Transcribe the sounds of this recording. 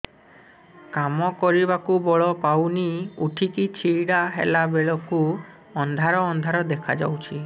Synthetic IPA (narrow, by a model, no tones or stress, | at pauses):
kamɔkɔɾibakubɔɭɔpawniuʈʰikit͡ʃʰiɽaɦḛlabeɭɔku | ɔnd̪ʱaɾɔːnd̪ʱaɾɔd̪ekʰa̰d͡ʒa̰wt͡ʃʰi